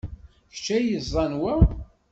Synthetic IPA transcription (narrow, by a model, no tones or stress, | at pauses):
çt͡ʃːæjəzˤːɑnwæ